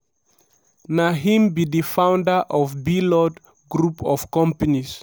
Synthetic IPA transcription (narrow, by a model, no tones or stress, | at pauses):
naɦĩmbiðifãʊ̃ndəʔɔvbilɔd | ɡɹupɔv̥kɔ̃mpənis